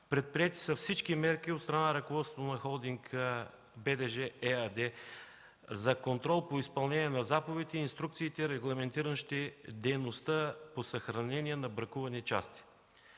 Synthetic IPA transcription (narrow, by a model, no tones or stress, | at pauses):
pɾɛt̪̚pɾijɛt̪i̥sɐfsit͡ʃkimɛɾk̟iot̪st̪ɾɐnanəɾɐkovɔt̪st̪ot̪onɐxɔlˠd̪iŋk | bɛd̪ɛʒɛɛad̪ɛ | zɐkont̪ɾɔlˠpoispɐlˠnɛniɛnɐzapovɛt̪ɛinst̪ɾuk̚t̪siːt̪ɛiɾɛɡlˠɐmɛnt̪iɾəʃt̪id̪ɛjnost̪əposəxɾɐnɛnʲiɛnɐbɾɐkuvɐnit͡ʃast̪i̥